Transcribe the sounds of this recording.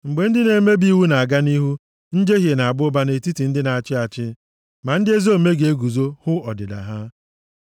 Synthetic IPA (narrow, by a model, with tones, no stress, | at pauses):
ŋ͡m̩˨ɡ͡be˨n̩˦dɪ˦ne˨˦me˦bi˦wu˦na˨a˨ɡa˦ni˦ɦu˦ | n̩˦d͡ʒe˦ɦe˨na˨a˨ɡ͡bʊ˦ba˦ne˨ti˦ti˨n̩˦dɪ˦na˨a˨t͡ʃɪ˦a˨t͡ʃɪ˦ | ma˨n̩˦dɪ˦e˦zo˦˨me˦ɡe˨e˦ɡu˨zo˦hʊ˦ɔ˨dɪ˨da̰˨ɦa˦